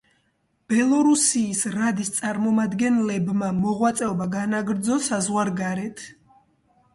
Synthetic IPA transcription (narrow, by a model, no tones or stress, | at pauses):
b̥ɛlˠɔɾusiːsɾad̪ist̪sʼaɾmɔmad̪ɡɛnlɛbmamɔʁwat̪sʼɛɔbaɡanaɡɾd̪zɔsazʁwaɾɡaɾɛt̪ʰ